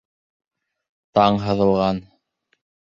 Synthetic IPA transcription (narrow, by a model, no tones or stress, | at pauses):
t̪ɑɴɦɤ̆ðɤ̆lˠʁɑn